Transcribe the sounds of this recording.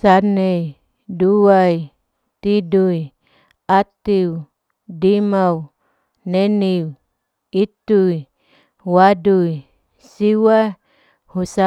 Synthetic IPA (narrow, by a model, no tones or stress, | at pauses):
sanej | duwaj | t̪iduj | at̪iw | dimaw | neniw | it̪ui | waduj | siwa | husa